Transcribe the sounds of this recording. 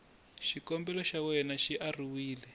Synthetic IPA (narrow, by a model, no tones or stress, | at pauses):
ʃikɔmbɛlɔʃawɛnaʃiʔariwiːlɛ